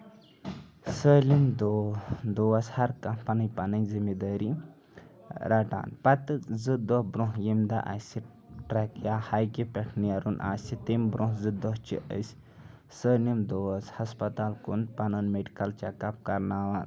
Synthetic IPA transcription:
səːlimd̪od̪oɐshɐɾkɐmpɐnɐjpɐnɐjzimed̪əːɾi | ɾʔaʈa̰ːnpɐt̪ɨzɨd̪ɔhbɾõɦjimd̪a̰ʔa̰si | ʈɾɐkjahajkipʲɛʈʰnijɐɾunʔa̰ːsʲit̪embɾõɦzɨd̪ɔɦt͡ʃʰḭʔə̰sʲ | səːlimd̪oɐshɐspɐt̪aːlkunpɐnɐnmeɖikɐlt͡ʃɐkap̚kɐɾnaʋaː

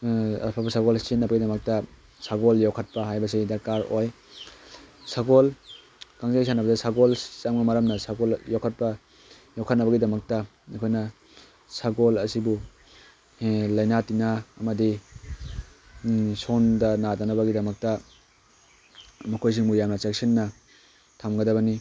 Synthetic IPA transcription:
a̰pʰabɐsaɡɔlsinːɐbɐɡidɐmɐk̚tɐ | saɡɔljawkʰɐt̚pɐɦajbɐs̬idakaɾoj | saɡol | kaŋzajsʰanɐbɐdasaɡolsamɡɐmaɾɐmnɐsaɡoljɔwkʰɐt̚pɐ | jɔwkʰat̚nɐbɐɡidɐmɐk̚tɐ | ajkʰojnɐ | saɡolɐsibu | lɐjnatinaːmɐdi | sondɐnadanɐbɐɡidɐmɐk̚tɐ | mɐkʰojs̬iŋmujamnɐt͡ʃeksinːɐ | tʰamɡɐdɐbɐni

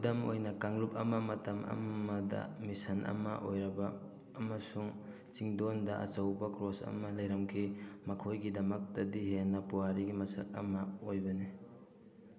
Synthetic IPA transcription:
dɐmo̰jnɐkaŋlup̚ɐmɐmɐtɐmɐ̰ɐdɐ̰misɐnʔɐ̰mɐ̰ʔojɾɐbɐː | mɐsuŋ | t͡ʃiŋdondɐʔɐ̰t͡ʃɐwbɐkɾosɐ̰mɐlɐjɾɐmkʰimɐkʰojɡidɐmɐk̚tɐdiɦenːɐpuwaɾiɡimɐsɐ̰k̚ɐ̰mɐojbɐni

